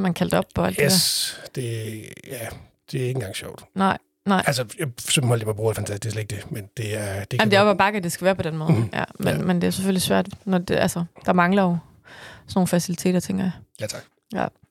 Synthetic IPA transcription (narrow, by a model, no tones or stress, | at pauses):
mænkʰæld̥ɒ̽b̥̚pʰːɒ̽æl̰d̥eḛd̥e̝jæ | d̥e̝æe̝ŋn̩ɡ̥ɑ̈ŋɕɒʊ̰d̥nɑ̈ɪ̰ | nɑ̈ɪ̰ʔælsəjasømb̥mɒl̰djimɑb̥ṵːfænt͡sʰæsd̥esleeɡ̥̚d̥emend̥e̝æɐd̥eammd̥eæɡ̥ɒb̥ɑ̈ːɡ̥æd̥e̝sɡ̥æʋæːɐpʰɒ̽d̥enmɔ̽ð̩jæ̰menmend̥e̝æseføl̰isʋæɐ̰d̥nɒdʔælsəd̥ɑ̈mɑ̈ŋlɐjo̝ | sɒno̝ːn̩fæsilit͡sʰe̝̰ːd̥ɐt͡sʰeŋ̰ɡ̥ɐjajʰɑɡ̥ | jæ̰